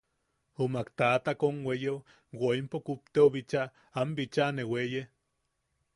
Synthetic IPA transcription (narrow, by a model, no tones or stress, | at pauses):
omakt̪aːt̪akonweje | waimpokup̚t̪eoβit͡ʃaː | mbit͡ʃaneweje